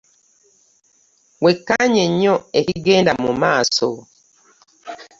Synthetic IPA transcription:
wekːaɲeɲːoehiɡeːndamumaːso̰

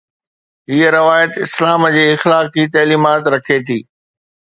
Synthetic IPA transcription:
ɦiəɾɐʋaːjət̪ɪslaːmd͡ʑeːɪxlaːkit̪ɐːliːmaːt̪ɾɐkʰet̪ʰiː

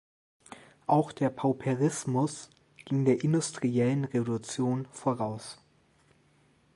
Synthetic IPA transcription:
ʔaʊxd̥eːɐpʰaʊpʰeʁɪsmʊs | ɡ̥ɪŋdeːɐʔɪndʊstʁ̥iɛlənʁevolut͡sjoːnfoʁaʊs

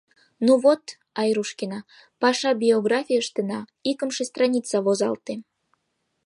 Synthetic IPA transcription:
nuβot̪ | ɑjruʃkinɑ | pɑʃɑbʲioɡrɑfʲijəʃt̪enɑikəmʃest̪rɑnʲit͡sɑβozɑ̰lt̪e

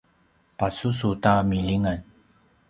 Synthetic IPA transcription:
pasusutamiliŋan

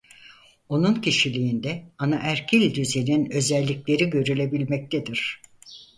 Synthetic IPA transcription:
o̞nuncʰiʃilʲiːnd̪ɛanaʔæɾcʰilʲd̪yzeninø̞zɛlʲːiclʲe̞ɾiɟø̞ɾylʲe̞bilʲmɛc̚t̪ʰed̪iɾ̥

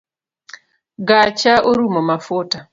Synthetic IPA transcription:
ɡat͡ʃaʔoɾumɔmafuta

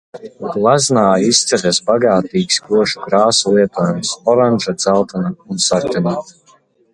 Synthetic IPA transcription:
ɡlˠaznaːist̪sɛɾɛsbaɡaːt̪iːksɡuɔʃukɾaːsulˠiɛt̪uɔːjumsɔɾanʒad̪zalˠt̪anaunsaɾtʲana

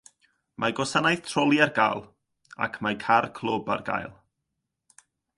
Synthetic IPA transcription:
mʔaɡɔsanajθtʰrɔlˠjarɡaːlˠ | a̰kʰmajkʰarkʰl̥ˠoba̰rɡa̰jlˠ

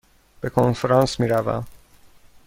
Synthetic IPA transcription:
b̥ekʰonfeɾɑnsmiːɾævæ̰m

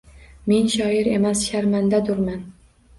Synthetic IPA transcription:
me̞nʃɒɪɾe̞̰masʃaɾmand̪ad̪ʊɾman

